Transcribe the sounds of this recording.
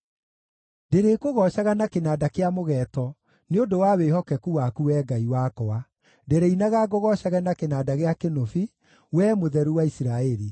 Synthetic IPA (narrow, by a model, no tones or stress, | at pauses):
ndeɾekoɣɔɕaɣanakenaːdakeamoɣɛːtɔ | neondowawehɔkɛkuwakuwɛːɡaiwakɔa | deɾeinaɣaɡɔɣɔɕaɣɛnakenaːdaɣeakenofi | wɛːmoðɛɾuwaisiɾaɛɾi